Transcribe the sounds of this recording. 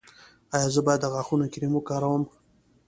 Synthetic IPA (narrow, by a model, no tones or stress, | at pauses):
ɑjɑzəbɑjad̪ːəɣɑxunokɪɾimokɑɾawəm